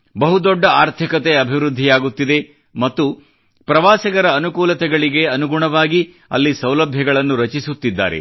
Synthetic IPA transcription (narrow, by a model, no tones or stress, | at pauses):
bɐɦud̪ɔɖːɐaːɾt̪ʰikɐt̪eɐbʱiʋɾud̪ʱːijaːɡut̪ːid̪e̞ | mɐt̪ːu | pɾɐʋaːsɐɡɐɾɐːnukuːlɐt̪ɛɡɐɭiɡe̞ɐnuɡuɳɐʋaːɡi | ɐ̰lːisɐwlɐbʱjɐɡɐɭɐnːuɾɐt͡ʃisut̪ːid̪ːa̰ːɾe̞̰